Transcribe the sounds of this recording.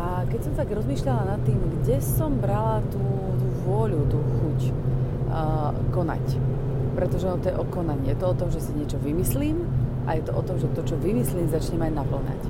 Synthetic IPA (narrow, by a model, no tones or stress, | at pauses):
ʔa | kɛcsɔmt̪aɡɾɔzmiːʃʎalanat̪ːiːmɡɟɛsɔmbɾalat̪uː | t̪uːʋʊɔʎut̪uːxuc | kɔna̰c | pɾɛt̪ɔʒɛɔnɔt̪ɔjɛʔɔkɔnaɲiːjɛt̪ɔɔt̪ɔmʒɛsiɲɪɛt͡ʃɔʋimisliːmʔa̰jɛt̪ɔʔɔt̪ɔmʒɛt̪ɔt͡ʃɔʋimisliːmzat͡ʃɲɛmaɟnapl̩ɲa̰c